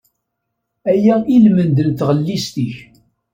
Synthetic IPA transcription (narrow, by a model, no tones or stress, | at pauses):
æjæilmənd̪ənt̪ʁəlːist̪iç